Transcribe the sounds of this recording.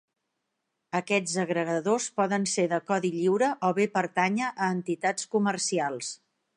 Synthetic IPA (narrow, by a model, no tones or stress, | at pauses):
əkɛd͡zəɣɾəɣəðospɔðənseðəkɔðiʎiwɾəʔɔβepəɾt̪aɲəʔəːnt̪it̪at͡skumərsialˠs